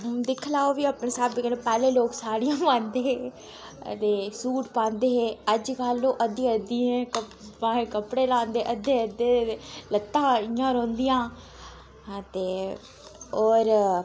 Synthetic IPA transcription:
d̪ɪkʰlaːoːʋiːaːpneːsaːbɪkənẽːpɛːleːloːksaːɽijãːʋãːnd̪eːɦḛː | t̪eːsuːʈpãːnd̪eːɦeːəd͡ʒkalːõːʔəd̪iəd̪iɛ̃kəãːɦẽkəpɽeːlãːnd̪eːʔəd̪eːəd̪eːlət̪ːãːɪjãːɾõːnd̪ɪjãː | t̪eː | ɔːɾ

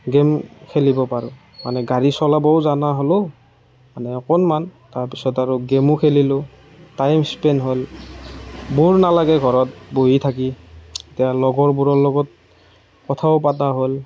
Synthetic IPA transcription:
ɡemkʰelibɔpaɹʊ̃ | manɛɡaɹisɔlabɔʊzanaɦolʊ | manɛɔkɔnmantaɹpisɔtaɹʊɡemʊkʰelilʊ | tajmspenɦol | buɹnalaɡɛɡʱɔɹɔt̚bojitʰak̬ietijalɔɡɔɹbuɹɔɹlɔɡɔt̚ | kɔtʰaʊp̬ataɦol

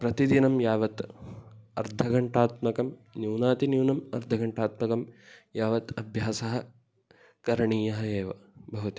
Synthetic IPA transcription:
pɾɐt̪id̪inɐmjaːʋɐt̪ | ɐɾd̪ʱɐɡɐɳʈaːt̪mɐkɐmnjuːnaːt̪injuːnɐmɐ̰ɾd̪ʱɐɡɐɳʈaːt̪mɐkɐmjaːʋɐt̪ɐbʱjaːsɐɦɐ̆ | kɐɾɐɳiːjɐɦɐeːʋɐ̰bʱɐʋɐt̪i

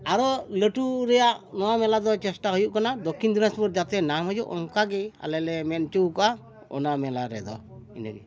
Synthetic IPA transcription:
aɾɔləʈuɾɛjaʔnɔwamɛlad̪ɔt͡ʃɛsʈaɦujuʔkanad̪ɔkʰːind̪inaspuɾd͡ʒat̪ɛnamɦɔjuʔɔŋkaɡia̰lɛlɛmɛnt͡ʃuwka | ɔ̰namɛlaɾɛd̪ɔ̰ḭnə̰ɡḭ

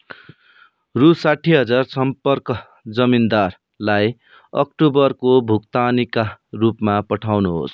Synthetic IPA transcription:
rusaʈʰiɦʌd͡zarsʌmpʌrkʌ | d͡zʌmind̪ar | laj | ʌk̚ʈubʌrkobʱukt̪anikarupmapʌʈʰawnuɦo̰s

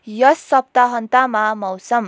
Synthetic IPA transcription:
jʌsːʌp̚t̪aɦʌnt̪amamʌwsʌm

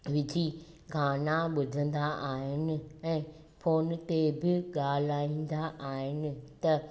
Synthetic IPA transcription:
ʋɪd͡ʑʱiː | ɡʱaːnaɓʊd̪ʱə̃nd̪aʔaːɦɪnɪ̆ɛ̃ː | pʰoːnt̪ebɪɠaːl̤aːĩːn̆d̪aʔaːɦɪnɪ̆t̪ɐ

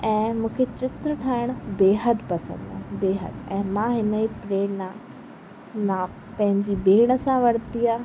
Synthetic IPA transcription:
ɛ̃ːmũːkʰet͡ɕɪt̪ɾəʈʰaːɪɽ̃beːɦəd̪pɐsə̰̃nd̪ãbeːɦə̰d̪ɛ̃ːmãɦɪnəipɾeːɳnã | nã | pɐ̃ɦɪ̃ɲd͡ʑibeːɽ̃ə̆sãʋɐɽt̪iaː

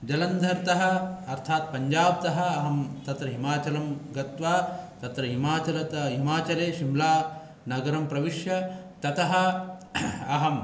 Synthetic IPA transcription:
d͡ʒɐlɐnd̪ʱɐɾt̪ɐɦɐ̆ɐɾt̪ʰaːt̪̚pɐɲd͡ʒaːb̚t̪ɐɦɐɐɦɐmt̪ɐt̪ɾɐɦimaːt͡ʃɐlɐmɡɐt̪ʋaːt̪ɐt̪ɾɐɦimaːt͡ʃɐlɐt̪ɦimaːt͡ʃɐɾeːʃimlaː | nɐɡɐɾɐmpɾɐʋiʃjɐt̪ɐt̪ɐɦɐ | ɐɦɐm

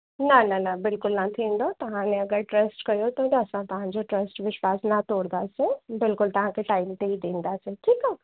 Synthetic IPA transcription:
nananabɪlkʊlnat̪ʰĩːnd̪ot̪ɐɦãnẽɐɡəɾʈɾɐsʈkɐjot̪od̪ːsãt̪ɐɦãd͡ʒoʈɾɐsʈʋɪʃwaːsnat̪oːɽd̪asebɪlkʊlt̪ɐɦãkeʈaːɪmt̪eid̪ẽːnd̪aseʈʰiːka

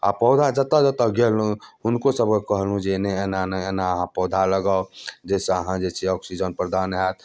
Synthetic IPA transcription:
a̰pɔʊd̪ʱad͡ʒət̪ad͡ʒət̪əɡelũɦʊnkosəb̚kekəɦlɦũd͡ʒenɛenanəenaəɦãpɔːd̪ʱaləɡaod͡ʒɛseəɦãd͡ʒeseɔksid͡ʒənpɾəd̪aːnɦɛt̪

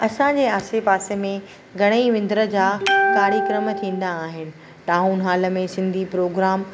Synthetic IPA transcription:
ɐsãd͡ʑeːaːsepaːsemẽ | ɡʱɐɽ̃əiʋɪ̃nd̪ɾə̆d͡ʑaːɡaːɽjikɾəmət̪ʰĩːn̆d̪aːɦɪnɪ̆ | ʈ̪aːɦuːnɦaːlə̆mẽsɪ̃nd̪ʱipɾoːɡɾaːm

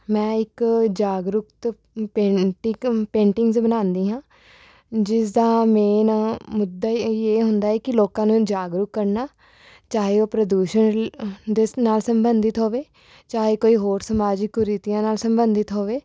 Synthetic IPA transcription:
mɛ̃ːɪkd͡ʒaːɡɾʊkt̪ | peʈɪpẽːɳʈɪŋɡzbənãːnd̪iːɦãː | d͡ʒɪsd̪aːmeːnmʊd̪ːaːiːeːɦʊnd̪aːɛːkɪloːkãːnũːd͡ʒaːɡɾʊkːəɾnaː | t͡ʃaːɦeːoːpɾəd̪uːʃənd̪enaːlsəmbənd̪ɪt̪ɦoːʋeː | t͡ʃaːɦeːkoːiːɦoːɾsəmaːd͡ʒɪkːoɾit̪ɪjãːnaːlsəmbənd̪ɪt̪ɦoːʋeː

